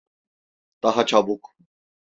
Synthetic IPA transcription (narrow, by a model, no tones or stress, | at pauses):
t̪aɦat͡ʃʰabukʼ